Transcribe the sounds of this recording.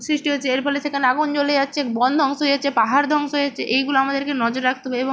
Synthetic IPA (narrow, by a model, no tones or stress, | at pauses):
sɾiʃʈioːt͡ɕʰeeɾpɔleʃekʰaneaɡunt͡ɕoled͡ʑatːɕʰekbɔnd̪ʱɔŋʃoɦejet͡ɕʰepaɦaɾd̪ʱɔŋʃoɦejet͡ɕʰeʔejɡuloamad̪eɾkenɔd͡ʑoɾɾak̚ʰt̪obeebo